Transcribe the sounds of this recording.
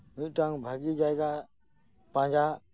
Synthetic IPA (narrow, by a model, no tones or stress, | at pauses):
ʊ̃ʈãŋbʱəɡid͡ʒaːjɡa | pãːɲd͡ʒaː